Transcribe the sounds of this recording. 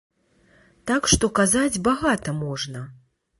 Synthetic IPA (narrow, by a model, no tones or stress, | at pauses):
t̪akʂt̪ɔkazad͡zʲbaɣat̪ɐmɔʐnɐ